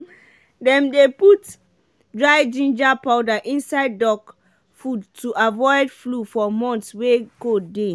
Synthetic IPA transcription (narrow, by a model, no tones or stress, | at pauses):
dɛ̃mdeput | dɹaɪd͡ʒĩnd͡ʒapaʊdaʔĩnsaɪd̚ːɔk | fudtuʔavɔɪdflufɔmɔ̃ntswekode